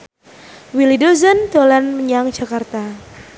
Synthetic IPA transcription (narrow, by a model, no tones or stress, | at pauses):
wilidozənt̪olanməɲaŋd͡ʒakart̪a